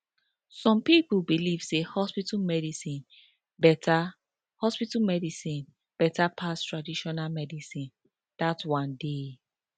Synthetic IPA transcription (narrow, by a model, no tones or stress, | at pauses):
sɔ̃mpipulbiliv̥sehɔspitamɛdisĩn | bɛtʰa | hɔspitamɛdisĩn | b̥ɛtapʰastɹadiʃɔnalmɛdisĩn | d̥atwãnde